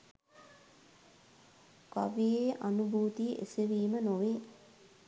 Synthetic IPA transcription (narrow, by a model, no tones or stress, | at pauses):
ka̰ʋijeːʔanubʱuːt̪iəʔḛseʋiːmənoʋeː